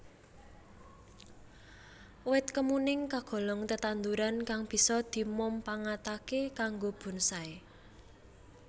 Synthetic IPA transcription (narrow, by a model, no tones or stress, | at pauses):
wɪt̪̚kəmunɪŋkaɡ̥ɔ̤lɔŋt̪ət̪and̪uɾankaŋb̥i̤sɔd̪̥i̤mʊmpaŋat̪akekaŋɡob̥ṳnsae